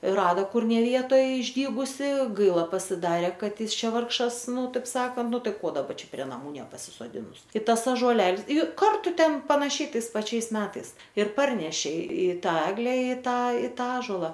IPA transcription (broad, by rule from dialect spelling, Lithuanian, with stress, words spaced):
ˈrɑːdɐ ˈkʊr nʲɛ ˈʋʲiɛtoːj ɪʒʲˈdʲiːɡʊsʲɪ ˈɡɐɪlˠɐ pɐsʲɪˈdɑːrʲeː ˈkɐt ˈjɪs ˈt͡ʃʲɛ ˈʋɐrkʃɐs ˈnʊ ˈtɐɪp ˈsɑːkɐnt ˈnʊ ˈtɐɪ ˈkoː dɐˈbɐ ˈt͡ʃʲɛ pʲrʲiɛ nɐˈmuː nʲɛpɐsʲɪsoːˈdʲɪnʊs ˈkʲɪtɐs ɐʒuɔˈlʲɛlˠs ˈjʊ ˈkɐrtʊ ˈtʲɛn pɐnɐˈʃʲɛɪ ˈtɐɪs pɐˈt͡ʃʲɛɪs ˈmʲæːtɐɪs ɪr ˈpɐrʲnʲɛʃʲeː ɪ ˈtɑː ˈæːɡlʲɛ ɪ ˈtɑː ɪ ˈtɑː ˈɑːʒoːlˠɐ